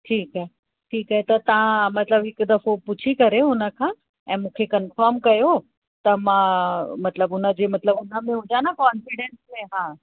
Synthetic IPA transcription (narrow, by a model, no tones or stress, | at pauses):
ʈʰiːkaɦe | ʈʰiːkɦaːɦet̪ɐt̪ɐʋ̤ãmɐt̪ləbɦɪkd̪ɐfopʊt͡ɕʰikɐɾeɦʊnə̆kʰãː | ɛ̃ːmũːkʰekɐnfəɾmkɐjo | t̪ɐmãːmɐt̪ləbʊnə̆d͡ʑeːmɐt̪ləbʊnə̆mẽɦʊd͡ʑanakaːnfɪɽẽnsmẽɦaː